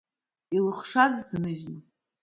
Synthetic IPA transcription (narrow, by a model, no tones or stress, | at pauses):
ilɨχʂazdnɨʒnu